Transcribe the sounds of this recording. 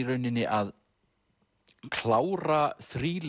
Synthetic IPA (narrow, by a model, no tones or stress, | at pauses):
ɾœɥnɪnːɪʔað | kʰlaːwɾaθɾiːl